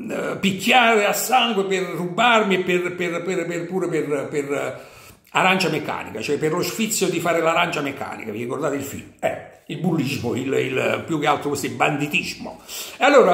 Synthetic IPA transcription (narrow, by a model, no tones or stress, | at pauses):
pikʰːjaːɾeasːaŋɡwepɪrːubarmiɛpːerpɪrpɪrpɪrpuːɾeperper | aɾant͡ʃamekːa̰ːnḭkat͡ʃoɛperlosfit̪sːjod̪ifaːɾelaɾant͡ʃamekːa̰ːnḭkavirikord̪aːt̪ɪilfḭlmɛ | ilbulːizmo̰ḭlḭlpjukːealt̪ɾokest̪iband̪it̪izmo̰ealːoːɾa